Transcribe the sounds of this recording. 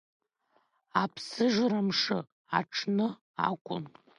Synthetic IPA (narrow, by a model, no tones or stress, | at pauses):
apʰsɨʐramʂɨ̰ | a̰ʈ͡ʂʰnɨ | a̰kʷʼʊ̰n